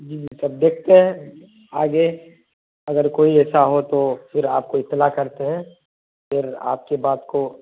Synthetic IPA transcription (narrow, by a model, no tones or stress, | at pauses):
d͡ʒiːd͡ʒisɐb̚d̪eːk̚ʰt̪eɦɛ̃ | aːɡe | ɐɡəɾkoːiɛːsaɦot̪ofʰɪɾaːp̚koɪt̪ːɪlakɐɾt̪eɦɛ̃ | fɪɾa̰ːp̚kebaːd̪ko